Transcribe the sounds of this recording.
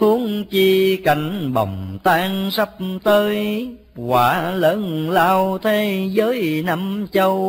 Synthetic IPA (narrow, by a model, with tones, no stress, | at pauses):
u˨˦əŋt͡ɕi˧ka˧˨˩jŋ̟ɓə̰˨˩wŋ͡mt̪aː˧ŋsə˦˥p̚t̪əː˧j | kwaː˧˩ləː˧˦nlaː˧wt̪ʰe˧˥zəː˨˦jna˧mt͡ɕə˧w